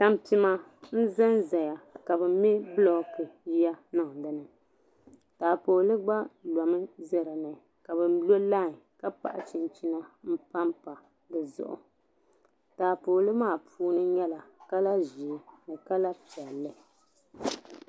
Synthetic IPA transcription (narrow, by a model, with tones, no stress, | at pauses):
ta˦m˦pi˦ma˦n̩˦za˦nza˨ja˨ka˨bɨ˨me˦blɔ˦kɨ˨ji˦a˦na˨dɨ˨nɨ˨ | taː˨poː˨lɨ˦ɡ͡ba˦la˨mɨ˦zɛ˦ɾa˨nɨ˨ | ka˨bɨ˨˦lo˦la˦˨ka˦pa̰˨ʔa˨t͡ʃi˨nt͡ʃi˦na˦m̩˦pa˦mpa˨ | dɨ˨zʊ̰˨ʔʊ̰˨ | taː˨poː˨lɨ˦maː˦˨pʰuː˦nɨ˦ɲɛ˦la˨ka˦la˦ʒi˨e˨nɨ˨ka˦la˦pi˨ɛ˨lːɨ˦